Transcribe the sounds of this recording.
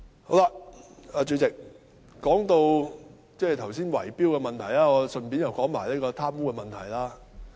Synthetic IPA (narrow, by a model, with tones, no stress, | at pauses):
ho˨˥wla˧aː˨˧t͡ʃɵ˧t͡sɪ˨k̚ | kɔː˨˥ŋt̪o˧w | t͡sɛː˥˩t̪ʰɐ˨˩ws̬iː˥nwɐ̰˨˩jpiː˥wkɛː˧mɐ˨nt̪ʰɐ˨˩jlaː˦˥ŋɔː˨˧sɵ˨˧npiː˨˥njɐ˨wkɔː˨˥ŋmaː˨˩jlɛː˥kɔː˧t̪ʰaː˥mwuː˥kɛː˧mɐ˨nt̪ʰɐ˨˩jlaː˥